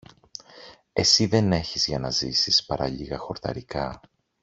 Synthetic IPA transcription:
e̞̰siðe̞ne̞çizʝɐnɐzisispɐɾɐ̰ʎiɣɐxo̞ɾt̪ɐ̰ɾikɐ

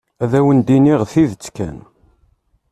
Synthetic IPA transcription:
æðæwənd̪iniʁθiðət͡sːkæ̰n

